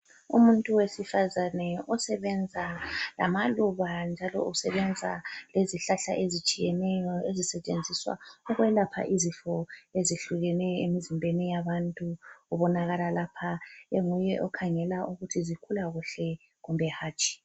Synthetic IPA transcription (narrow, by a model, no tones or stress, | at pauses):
ṵmuntʼuwesifazanɛɔsɛβɛnd͡zʱala̰maluβand͡ʒʱalɔ̰usɛβɛnd͡zʱa̰leziɬaɬa̰ʔezit͡ʃʼijɛnɛjɔezisɛt͡ʃʼend͡zʱiswa̰ɔɣwɛlapʰa̰ʔizifɔeziɬuɣɛnɛjɔemizimbʱenijaβantʼuuβɔnaɣalalapʰaeŋujɛʔɔkʰaŋɛlaʔuɣutʰizikʰulaɣuɬɛ | ɣumbʱɛhaːt͡ʃʼi̥